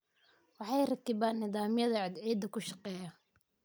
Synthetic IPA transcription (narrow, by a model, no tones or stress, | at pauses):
wɑħɑjrɐkɪβaːnːɪðaːmjɐðɐʕɪd̪ʕɛːd̪ɐkʰʊʃɑqɛːjɐ